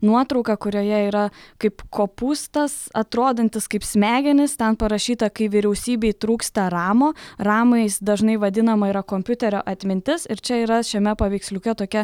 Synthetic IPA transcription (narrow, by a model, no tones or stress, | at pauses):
nuɔt̪ɾɐʊkɐkʊɾʲoːjɛiːɾɐkɐɪpkʰoːpuːst̪ɐsɐt̪ɾoːd̪ɐnʲt̪ʲɪskɐɪpsʲmʲæːɡʲɛnʲɪst̪ʲɛnpɐɾɐʃʲiːt̪ɐkɐɪʋʲɪɾʲɛʊsʲiːbʲeɪt̪ɾuːkst̪ɐɾɑːmoːrɑːmɐɪsd̪ɐʒnɐɪʋɐd̪ʲɪnɐmɐiːɾɐkoːmʲpʲʊt̪ʲɛɾʲo̰ːʔɐt̪ʲmʲɪnʲt̪ʲɪsɪɾt͡ʃʲɛiːɾɐʃʲɛmʲɛpɐʋʲɛɪksʲlʲʊkʲɛt̪oːkʲɛ